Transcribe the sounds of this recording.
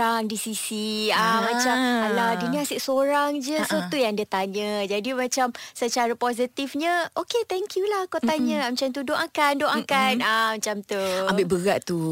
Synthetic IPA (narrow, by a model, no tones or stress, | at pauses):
aŋdisisiamãt͡ʃamaladinĩasɪʔsoɾaŋd͡ʒəsat̪ujaŋandat̪aɲə̃d͡ʒadimãt͡ʃamsət͡ʃaɾapozit̪ifɲə̃ʔoket̪ɛŋkʰjulahkawt̪aɲə̃mat͡ʃant̪̬udoʔakandoʔakanamat͡ʃamt̪uabɪʔbəɡaʔt̪u